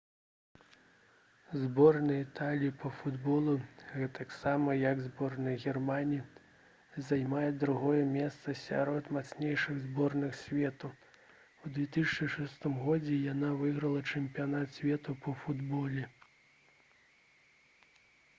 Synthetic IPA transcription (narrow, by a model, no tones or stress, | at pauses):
zbɔrnɐit̪alʲiipɐfud̪bɔlˠuɣɛt̪ɐksamɐjɐɡzbɔrnɐjɣʲɛrmanʲii | zajmajɛd̪ɾuɣɔjɛmʲɛst̪sɐsʲa̰ɾɔt̪mat̪snʲejʂɨɣzbɔrnɨxsʲvʲɛt̪u | wd̪vʲɛt̪ɨsʲɐt͡ʃʂɨʂɛst̪ɨmɣɔd͡zʲɛjanavɨɣɾɐlˠɐt͡ʂɛmʲpʲijanat̪sʲvʲɛt̪upɐfud̪bɔlʲɛ